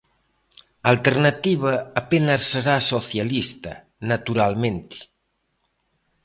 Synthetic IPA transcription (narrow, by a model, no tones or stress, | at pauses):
alt̪eɾnət̪iβəːpenəsːəɾasoθjalist̪ə̰ | nat̪uɾalˠmẽnt̪i̥